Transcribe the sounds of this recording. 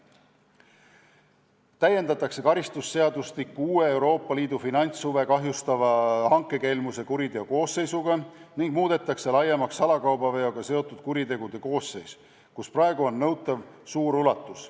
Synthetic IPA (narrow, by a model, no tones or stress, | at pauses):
t̪æje̞nd̪ɑt̪ːˑɑkse̞kɑɾist̪usːe̞ɑd̪ust̪ikːuuːe̞ewɾo̞ːpˑːɑliːd̪̥ufinɑnʲt̪suve̞kɑɦjust̪ɑvɑhɑŋkːˑe̞ke̞lmuse̞kuɾit̪e̞oko̞ːsːe̞jsuɡɑniŋɡ̥muːd̪̥e̞t̪ːˑɑkse̞lɑjːemɑksɑlɑkɑwbɑve̞jo̞ɡ̥ɑse̞o̞t̪ːˑud̪̥̚kuɾit̪e̞ɡ̥ud̪̥e̞ko̞ːsːe̞js | kusprɑeɡuo̞nːɤwt̪ːˑɑvsuːɾulɑt̪ːˑus